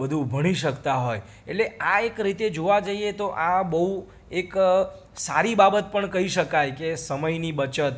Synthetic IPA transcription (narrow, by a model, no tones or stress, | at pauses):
əd̪ʱubʱəɽ̃iʃəkt̪aɦoj | eʈleaekɾit̪ed͡ʒoʋad͡ʒəiet̪oʔabəɦu | ek | saɾibabət̪̚pəɳkəɦiʃəkajkesəməjnibət͡ʃət̪